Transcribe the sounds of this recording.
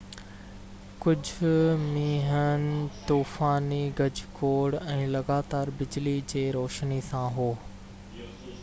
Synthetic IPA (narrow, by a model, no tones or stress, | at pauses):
kʊd͡ʑʱʊmĩːɦənɪt̪uːfaːniɡɐd͡ʑkoːɽɛ̃ːlɐɡaːt̪aːɾbɪd͡ʑlid͡ʑeːɾoːʃnisãɦoː